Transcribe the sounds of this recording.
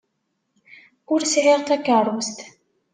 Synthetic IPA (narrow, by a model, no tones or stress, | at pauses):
ʊɾsʕiʁθækːərˤwst̪